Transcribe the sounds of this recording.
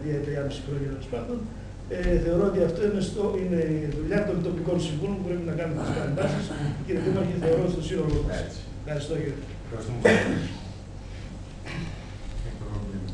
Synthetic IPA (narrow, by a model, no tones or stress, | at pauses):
ðiɐt̪ɾiɐmesipɾoɲineospɐnd̪o̞n | eθe̞o̞ɾo̞ot̪iɐft̪o̞inest̪oine̞iðuʎɐt̪o̞nt̪o̞piko̞nsiɱvolompupɾe̞pinɐkɐnumet̪iskɐɾɐnd̪ɐsisciɾiekumɐɾceθe̞o̞ɾo̞t̪ist̪osino̞lomɐs | xɐɾist̪o̞ciɾ